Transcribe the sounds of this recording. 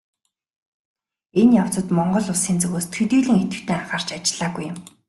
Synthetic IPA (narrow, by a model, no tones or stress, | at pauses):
enjaw̥t͡sə̆t̪mɔɴɢɞ̆ɮʊsiːnt͡sɵɣoːst̪ʰxɵt̪iːɮɘ̆ŋet̪ɘ̆xt̪ʰeːaχaːr̥t͡ɕat͡ɕɪ̆ɮ̥aːɣujːʊ̆m